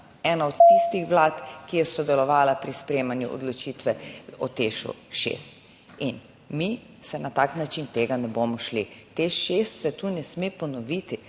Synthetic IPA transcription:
ɛːnaɔt̪t̪ist̪ixʋlaːt̪kijɛsɔd̪ɛlɔʋaːlapɾispɾeːmanjuʔɔ̰d̪lɔt͡ʃit̪ʋɛɔt̪eʃṵʃḛːst̪ | in | mi | sɛnat̪aːknat͡ʃint̪eːɡanɛboːmɔʃlit̪eʃʃest̪sɛt̪uːnɛsmepɔnɔʋit̪i

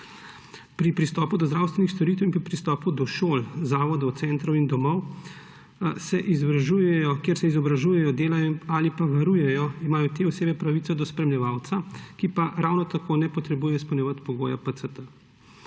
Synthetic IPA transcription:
pɾipɾist̪ɔːpud̪ɔzd̪ɾaːwst̪ʋɛnixst̪ɔɾiːt̪ɛwinpɾipɾist̪ɔːpud̪ɔʃoːlzaːʋɔd̪ɔw̪sɛnt̪ɾɔwind̪ɔmɔw | sɛʔizɔbɾaʒuːjɛjɔkjeɾsɛizɔbɾaʒuːjɛjɔd̪eːlajɔalipaʋaɾuːjɛjɔimaːjɔt̪eːɔseːbɛpɾaʋit̪sɔd̪ɔspɾɛmlʲjɛʋaːwt̪sakipaɾawnɔt̪akʰoːnɛpɔt̪ɾɛbujɛjɔispɔwnʲjɛʋat̪pɔɡoːjapət̪sət̪ə

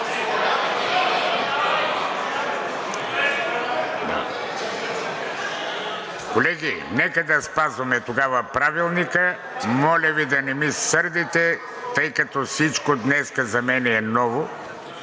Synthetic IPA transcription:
d̪a̰ | kolɛɡinɛkəd̪ɐspazvɐmɛt̪oɡavɐpɾavilˠnikə | mɔlʲɐvid̪ɐnɛmisəɾd̪it̪ɛ | t̪əjkɐt̪ɔfsit͡ʃkod̪nɛskəzɐmɛnɛːnɔvo

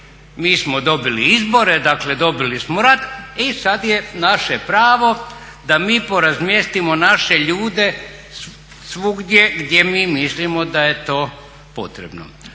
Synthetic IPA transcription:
miːsmod̪o̞biliizbo̞ɾed̪akle̞d̪o̞bilismoɾad̪isad̪jenaʃepɾaːʋo̞ | d̪amiːpo̞ɾazmjest̪imo̞naʃe̞ʎuːd̪e̞ | sʋuɡd̪ʲjeɡd̪ʲje̞miːmislimod̪ajet̪o̞ː | po̞̰t̪ɾebno̰

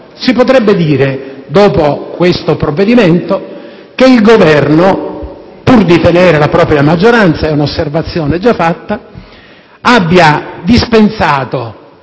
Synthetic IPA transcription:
sipot̪̬ɾɛbːed̪iːɾed̪ɔːpokwest̪opɾovːed̪iment̪o | k̟eilɡovɛrno | purd̪it̪eneːɾelapɾɔːpɾjamad͡ʒːoɾant̪saɛunosːervat̪sːjɔːned͡ʒafːat̪ːa | abːjad̪ispensaːt̪o

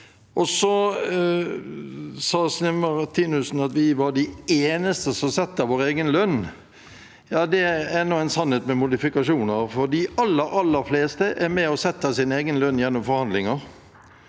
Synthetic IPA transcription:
ʔɔsɔ | sɑːsnɪməʁt̪ʰiːnʉsn̩ɑt̪ʋɪʋɑɖɪeːnəst̪əsɔmsɛt̪ːəʋoːɾeːɡənlœnː | jɑːd̪ɛɛnɔæɪnsɑnheːt̪mɛmʊd̪ɪfɪkɑʂuːnəɾfɔɾd̪iːʔɑlːəɾɑlːəɾfleːst̪əʔæɾmɛɔsɛt̪ːəsɪneːɡənlœnːjɛnːɔmfɔɾhɑnd̪lɪŋəɾ

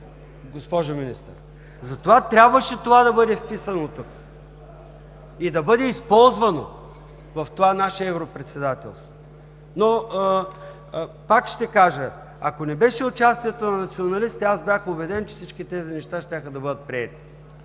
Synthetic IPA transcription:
ɡospɔʒominist̪ə̰ɾ | zɐt̪ovat̪ɾʲabvəʃɛt̪ovad̪ɐbɤd̪ɛfpisənot̪uk | id̪ɐbɤd̪ɛispɔlˠzvɐno | vɐft̪ovanaʃɛɛvɾopɾɛt̪sɛd̪at̪ɛ̰lˠst̪vo̥ | no | pakʃt̪ɛkaʒə | ɐkonɛbɛʃɛʊt͡ʃast̪iɛt̪onɐnɐt̪sionɐlist̪iazbʲjaxʊbɛd̪ɛnt͡ʃɛ̥fsit͡ʃkit̪ɛzinɛʃt̪aʃt̪ʲaxəd̪ɐbɤd̪ət̪̚pɾiɛt̪i̥

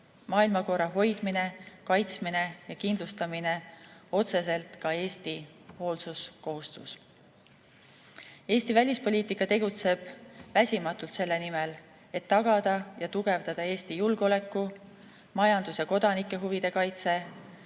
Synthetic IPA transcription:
mɑːilmɑko̞rːɑɦo̞jd̪̥mine̞kɑjt̪sminejɑkind̪lust̪ɑmine̞o̞t̪se̞s̬e̞lt̪kɑe̞ːst̪i | ho̞ːlsusko̞ɦust̪us | e̞ːst̪ivælʲispo̞lʲiːt̪ikːˑɑt̪e̞ɡ̥ut̪se̞b̥væsʲimɑt̪ːˑult̪se̞lːe̞nimel | e̞t̪ːɑɡ̥ɑd̪̥ɑjɑt̪uɡ̥e̞vd̪̥ɑd̪̥ɑe̞ːst̪ijulɡ̥o̞le̞kːˑu | mɑjɑnd̪̥usjɑko̞d̪ɑnikːˑe̞ɦuvid̪̥e̞kɑjt̪se̞

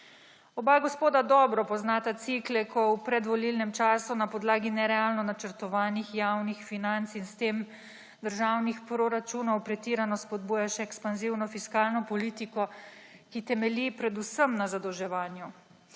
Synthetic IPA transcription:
ɔbaɡɔspoːd̪ad̪ɔbɾɔpɔznaːt̪at̪siklɛkʰɔwpɾɛd̪ʋɔlilnɛmt͡ʃaːsunapɔd̪laːɡinɛɾɛalnɔnat͡ʃəɾt̪ɔʋaːnixjawnixfinant̪sinst̪eːm | d̪əɾʒawnixpɾɔɾat͡ʃuːnɔwpɾɛt̪iːɾanɔspɔd̪̚buːjaʃɛɛkspanziwnɔfiskaːlnɔpɔlit̪ikɔkit̪ɛmɛlipɾɛd̪usəmnazad̪ɔwʒɛʋaːnju

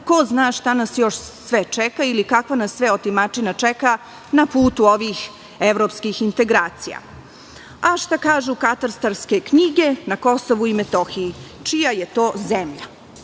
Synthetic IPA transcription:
koznaːʃt̪anasjo̞ʃsʋɛt͡ʃɛkailikakʋanasːʋɛot̪imat͡ʃinat͡ʂɛka | napuːt̪uo̞ʋix | eʋɾoːpskixint̪e̞ɡɾaːt̪sija̰ | aʃt̪akaːʒukat̪aɾst̪aɾske̞kɲiɡenako̞soʋuimet̪oxiit͡ʃijajet̪o̞ːzemʎa̰

